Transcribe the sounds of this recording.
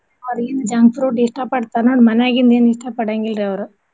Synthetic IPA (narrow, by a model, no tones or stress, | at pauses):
ɐd̪ɐɡind̪ɐd͡ʒaːŋɡfɾoːʈiʂʈɐpɐɽt̪aːɾnoːɽmɐnɛjaːɡind̪eːniʂʈɐpɐɽaŋɡilɾiɐʋɐɾu